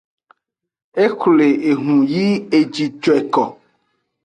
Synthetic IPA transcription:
e˦xle˨e˨ɦũ˨ji˦e˨d͡ʒi˨d͡ʒɔ˨e˨kɔ˨

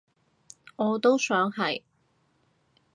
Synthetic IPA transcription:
ŋɔː˨˧t̪o˥wsœː˨˥ŋhɐ˨j

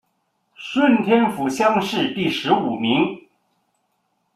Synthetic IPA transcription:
ʂwə˥˩nt̪ʰjɛ˥nfu˧˥ɕjɑ˥ŋʂɻ̩˥˧t̪i˥˩ʂɻ̩˧˥u˨˩mi˧˥ŋ

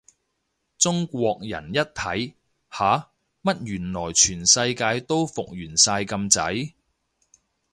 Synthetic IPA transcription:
t͡sʊ˥ŋkʷɔː˧k̚jɐ̰˨˩njɐ˥t̚t̪ʰɐ˨˥j | haː˨˥ | mɐ˥t̚jyː˨˩nlɔː˨˩jt͡ʃʰyː˨˩nsɐ˧jkaː˧jt̪o˥wfʊ˨k̚jyː˨˩nsaː˧jkɐ˧mt͡sɐ˨˥j

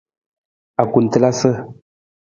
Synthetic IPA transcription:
a˨ku˨n̩˨tə˦la˦sə˦

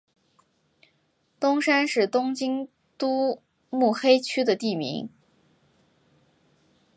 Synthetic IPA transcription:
t̪ʊ˥ŋʂa˥nʂɻ̩˥˩t̪ʊ˥ŋt͡ɕi˥ŋ | t̪u˥ | mu˥˩xe˥ɪt͡ɕʰy˥d̪ə˨t̪i˥˩mḭ˧˥ŋ

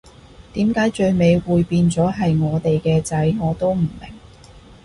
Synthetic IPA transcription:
t̪iː˨˥mkaː˨˥jt͡ʃɵ˧ɥme˨˧jwuː˨˧jpiː˧nt͡sɔː˨˥ɦɐ˨jŋɔː˨˧t̪e˨jkɛː˧t͡sɐ˨˥jŋɔː˨˧t̪o˥wm̩˨˩mɪ̰˨˩ŋ

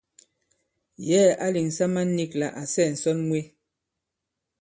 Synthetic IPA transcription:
jɛː˦˨a˦li˨ŋ̩˨sa˦ma˦n̩˦ni˦˨kla̰˨ʔa˨sɛ˦˨n̩˨sɔ˦nmwe˦

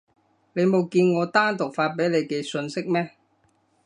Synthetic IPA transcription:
le˨˧jmo˨˧wkiː˧nŋɔː˨˧t̪aː˥nt̪ʊ˨k̚faː˧t̚pe˨˥jle˨˧jkɛː˧sɵ˧nsɪ˥k̚mɛː˥

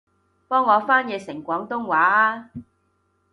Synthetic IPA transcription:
pɔː˥ŋːɔː˨˧faː˥njɛː˨˧sɪ˨˩ŋkʷɔː˨˥ŋt̪ʊ˥ŋwaː˨˥aː˧

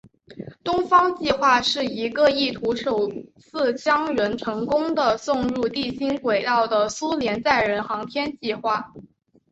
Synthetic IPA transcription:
t̪ʊ˥ŋfɑ˥ŋt͡ɕi˥˧xwa˥˧ʂɻ̩˥˩i˧˥ɡə˧i˥˩t̪ʰu˧˥ʂo˨˩ʊt͡sʰɹ̩˥˩t͡ɕjɑ˥ŋɥə˧˥nʈ͡ʂʰɤ˧˥ŋkʊ˥ŋd̪ə˨sʊ˥˧ŋɻu˥˧t̪i˥˩ɕi˥nkwe˨˩ɪt̪ɑ˥˩ʊd̪ə˩su˥ljɛ˧˥nt͡sa˥˩ɪɻə˧˥nxɑ˧˥ŋt̪ʰjɛ˥nt͡ɕi˥˧xwa˥˩

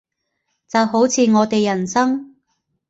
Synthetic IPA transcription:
t͡sɐ˨wɦo˨˥wt͡sʰiː˨˧ŋɔː˨˧t̪e˨jːɐ˨˩nsɐ˥ŋ

